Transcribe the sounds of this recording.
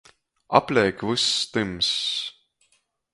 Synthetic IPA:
ɑ̰plekvɨst̪ɨms

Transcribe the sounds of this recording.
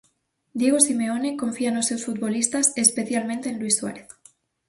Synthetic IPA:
d̪je̞ɣ̞osimeonekõɱfianosːewsfut̪̚βolist̪asespeθjalmẽnt̪eːnlwisːwa̰ɾeθ

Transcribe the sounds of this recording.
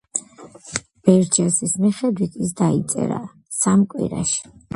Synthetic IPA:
b̥ɛɾd͡ʒɛsismiχɛd̪wit̪ʰis̬d̪ait̪sʼɛ̰ɾa̰ | samkʼwḭɾa̰ʃi̥

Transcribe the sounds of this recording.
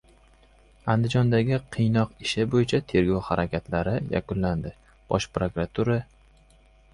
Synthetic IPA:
and̪ɪd͡ʒɒnd̪aɡʲɪqʰɨjnɒqɪʃɪbojɪt͡ʃʰat̪ʰe̞ɾɡɒwhaɾakʲat̪laɾɪja̰kʊnland̪ɪ | b̥ɒʃpɾokɾat̪ʰuɾa

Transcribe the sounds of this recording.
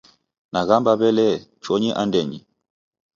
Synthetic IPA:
naɣambabɛlɛt͡ʃɔɲiʔandɛɲi

